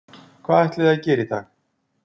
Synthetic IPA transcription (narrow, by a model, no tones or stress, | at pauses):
kʰvaːðɛht̪lɪðaðcɛːɾɪt̪ʰax